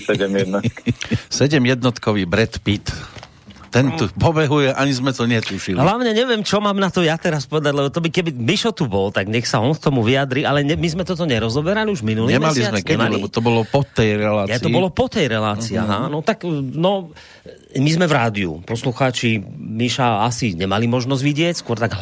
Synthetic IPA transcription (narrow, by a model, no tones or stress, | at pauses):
sɛɟɛmjɛd̪nasɛɟɛmjɛd̪̚nɔt̪kɔʋiːbɾɛt̪pit̪ | t̪ɛnt̪upɔbɛɦujɛʔaɲizmɛt̪ɔɲɛt̪uʃilɦlaʊɲɛɲɛʋɪɛmt͡ʃɔmaːmnat̪ɔjat̪ɛɾaspɔʋɛd̪aɟlɛbɔt̪ɔbikɛbimiʃɔt̪ubɔlt̪aɡɲɛxsaɔnk̚t̪ɔmuʋiad̪ɾialɛɲɛmizmɛt̪ɔt̪ɔɲɛɾɔzɔbɛɾaliuʒminuliɲɛmmalizmɛkɛailɛbɔt̪ɔbɔlɔpɔt̪ɛjɾɛlaːjaiɔbɔlɔpɔt̪ɛjɾɛlaːt͡sia̰ɦanɔt̪aknɔ | mizmɛvɾaːd̪iṵpɔsluxaːt͡ʃimiʃaasiɲɛmalimɔʒnɔzɟʋiɟɪɛcskʊɔɾt̪aɡ